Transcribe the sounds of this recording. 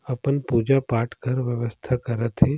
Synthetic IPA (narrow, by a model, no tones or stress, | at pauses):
ɐpənpuːd͡ʒapaːʈʰkəɾʋjəʋəst̪ʰakɐɾət̪ɦe